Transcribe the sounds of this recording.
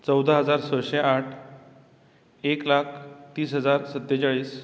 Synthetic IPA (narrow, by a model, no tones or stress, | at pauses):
t͡səwd̪ʱəɦəd͡zaɾsəɕeaʈʰ | eklakʰt̪iːsɦəd͡zaɾsət̪ːet͡ɕaɭiːs